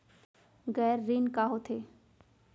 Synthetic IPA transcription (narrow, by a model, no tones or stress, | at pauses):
ɡɛːɾːinkaɦot̪ʰe